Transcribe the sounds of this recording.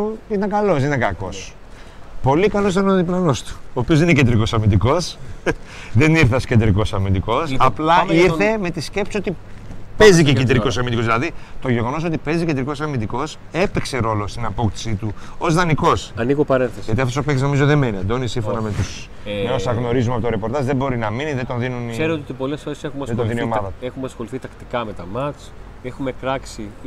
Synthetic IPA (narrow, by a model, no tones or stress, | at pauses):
uit̪ɐŋkɐlo̞sinɐŋkɐko̞s | po̞likɐlos̬it̪ɐnoðiplɐno̞st̪u̥oːpiozðinecend̪ɾiko̞sɐmind̪iko̞s | ðe̞niɾθeoscend̪ɾiko̞sɐmind̪iko̞sɐplɐiɾθe̞me̞t̪isce̞psisot̪ipeziceked̪ɾiko̞sɐmind̪ikozðilɐðit̪o̞ʝe̞ɣo̞no̞s̬ot̪ipe̞ziced̪ɾiko̞sɐmind̪iko̞s | e̞pekse̞ɾo̞lo̞st̪inɐpo̞kt̪i̥sit̪uo̞zðɐniko̞sɐniɣopɐɾenθesʝɐt̪iɐft̪osopekt̪sznoizoðemeniɐnd̪oineisiɱfo̞nɐme̞t̪us | meosɐɣno̞ɾizumeɐpot̪oɾepo̞ɾt̪ɐzðebo̞ɾinɐminiðet̪o̞nðinuniseɾoot̪ipo̞lesfo̞ɾesexumeɐðet̪ðinio̞mɐðɐt̪uexumeɐsxo̞liθit̪ɐkt̪i̥kɐme̞t̪ɐmɐt͡s | exume̞kɾɐksi